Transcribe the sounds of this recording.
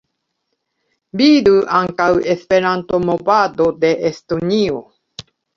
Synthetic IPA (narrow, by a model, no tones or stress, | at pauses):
biɾuʔaŋkawespeɾant̪omobad̪od̪eʔest̪oɲio